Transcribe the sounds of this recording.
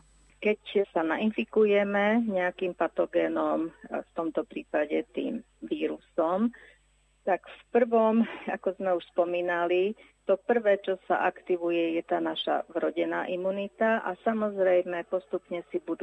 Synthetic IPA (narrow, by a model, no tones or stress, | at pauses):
kɛcsanainfikujɛmɛɲɛakiːmpat̪ɔɡɛːnɔmft̪ɔmt̪ɔpɾiːpaɟɛt̪ḭːm | ʋiːɾusɔm | t̪akfpr̩ʋɔma̰kɔzmɛuʃspɔmiːnali | t̪ɔpr̩ʋɛːt͡ʃɔsa̰ʔakt̪iʋujɛjɛt̪aːnaʃa̰vɾɔɟɛnaːʔimunit̪aʔasamɔzɾɛjmɛpɔst̪upɲɛsibud̪